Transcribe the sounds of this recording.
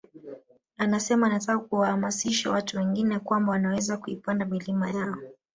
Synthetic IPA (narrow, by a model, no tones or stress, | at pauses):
anasɛmaːnatakakuwahamasiʃawatuwɛŋɡinɛkwambawanawɛzakuipandamilimajaɔ